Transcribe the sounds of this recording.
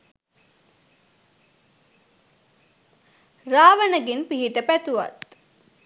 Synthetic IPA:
raːʋənəɡenpiɦiʈ̪əpæt̪uʋa̰t̪

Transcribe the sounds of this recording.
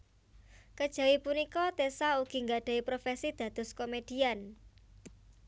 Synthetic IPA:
kəd̥ʒ̥a̤wipunikɔt̪esauɡ̥i̤ŋɡaɖ̥a̤ipɾofesid̪̥ä̤d̪̥ʊ̤skomed̥ian

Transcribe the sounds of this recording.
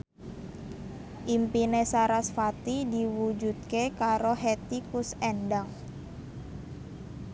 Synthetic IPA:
ʔimpinesaɾasfat̪idiwud͡ʒut̪̚kekaɾoɦet̪ikʊsɛndaŋ

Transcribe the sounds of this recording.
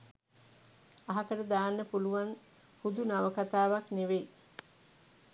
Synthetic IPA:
aɦakəɾəd̪aːnːəpuluʋan | hud̪unaʋəkat̪aːʋakneʋej

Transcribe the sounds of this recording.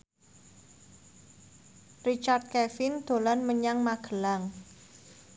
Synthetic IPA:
rit͡ʃart̪̚kɛfɪnd̪̥o̤lanməɲaŋmaɡ̥ə̤laŋ

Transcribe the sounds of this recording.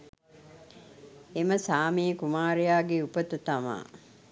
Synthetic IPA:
eməsaːmiːkumaːɾejaːɡeupət̪ut̪ama̰ː

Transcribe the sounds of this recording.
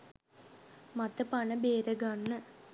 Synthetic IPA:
mɐt̪ːɐpɐɳɐbeːɾɐɡɐɳːɨ

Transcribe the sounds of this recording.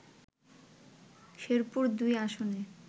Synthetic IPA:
ʃeɾpuɾd̪ujaʃone

